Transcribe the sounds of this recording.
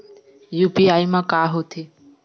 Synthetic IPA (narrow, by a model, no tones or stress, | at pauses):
juːpiaːimãːkaːɦoːt̪ʰeː